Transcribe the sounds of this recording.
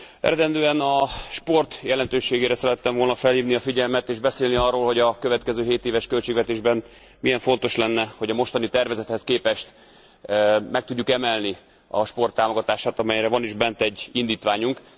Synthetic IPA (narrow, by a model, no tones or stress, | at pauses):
ɛ̰ɾɛd̪ɛnd̪øːɛnɒʃpo̞rt̪jɛlɛnt̪øːʃeːɡeːɾɛsɛɾɛt̪ːɛɱvolnɒfɛlhiːvniɒfiɟɛlmɛt̪eːʒbɛseːlniɒrːoːlho̞ɟɒkøvɛt̪kɛzøːɦeːt̪eːvɛʃkølt͡ʃeːɡvɛt̪eːʒbɛn | mijɛɱfo̞n̪t̪o̞ʃlɛnːɛho̞ɟɒmo̞ʃt̪ɒnit̪ɛrvɛzɛt̪hɛskeːpɛʃt̪ | mɛk̚t̪uɟːukɛmɛlni | ɒʃpo̞rt̪ːaːmo̞ɡɒt̪aːʃaːt̪ɒmɛjɾɛvɒniʒbɛnt̪ɛɟːind̪iːt̪ʋaːɲuŋk